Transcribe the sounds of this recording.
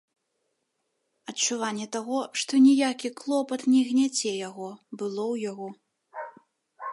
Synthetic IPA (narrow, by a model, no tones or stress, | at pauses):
ɐt͡ʂuvanʲːɛt̪aɣɔʂt̪ɔnʲijakʲiklˠɔpɐt̪nʲɛɣnʲat͡sʲɛjaɣɔbɨlˠɔwjaɣɔ